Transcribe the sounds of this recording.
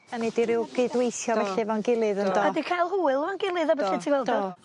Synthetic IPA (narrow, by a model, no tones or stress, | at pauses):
anɛdiɾɪwɡ̥ɪdwejθjɔbɛɬɛvanɡɪlˠɨðəndɔədikʰajlˠɦuːɪlˠəvanɡɪlˠɨðabɛɛtʰiwɛlˠdə